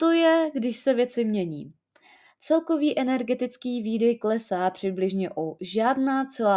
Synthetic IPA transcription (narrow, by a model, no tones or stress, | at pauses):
t̪o̞jɛɡdɪʃsɛvjɛt͡sɪmɲɛɲḭː | t͡sɛlko̞viːʔɛnɛɾɡɛt̪ɪt͡skiːviːdɛjklɛsaːpr̝̥ɪblɪʒɲɛʔoʒaːdnaːt͡sɛlaː